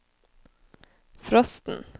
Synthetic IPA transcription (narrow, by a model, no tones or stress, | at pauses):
fɾɔst̪n̩